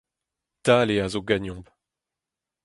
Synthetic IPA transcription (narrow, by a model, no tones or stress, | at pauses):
taːleazoɡaɲɔ̃b